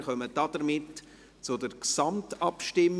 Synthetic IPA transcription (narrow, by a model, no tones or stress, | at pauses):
χœməd̥ɑd̥əɾmɪt | t͡sʊdəɾksɑmtɑpʃtɪmː